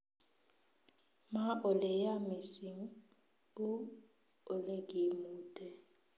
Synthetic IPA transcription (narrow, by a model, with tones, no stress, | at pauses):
ma˦ʔʊ˨le˨ja˦mɪ˨si˨ŋ̩˦ | ʊ˦ | ʊ˨le˦kʼi˨muː˦tʼɛ˨